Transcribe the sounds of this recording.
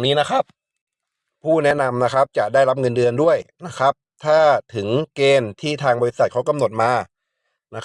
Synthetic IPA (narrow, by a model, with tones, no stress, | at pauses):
ŋniː˦˥na˦˥kʰa˦˥p̚ | pʰːuː˥˩nɛ˦˥na˧mna˦˥kʰa˦˥p̚t͡ɕa˨˩daː˥˩jɾla˦˥p̚ŋɤ˧ndɯ˧əndu˥˩əjna˦˥kʰɾa˦˥p̚t̪ʰaː˥˩t̪ʰɯ˩˦ŋkeː˧nt̪ʰiː˥˩t̪ʰaː˧ŋbɔː˧li˦˥sa˨˩t̪̚kʰa˦˥wka˧mno˨˩t̪̚maː˧ | na˦˥